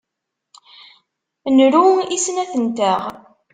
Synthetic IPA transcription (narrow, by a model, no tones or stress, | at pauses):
nɾuisnæθənt̪əʁ